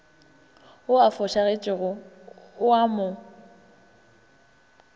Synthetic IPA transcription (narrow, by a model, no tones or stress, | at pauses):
ʊafʊʃaɣet͡ʃʼɪɣʊ | ʊamʊ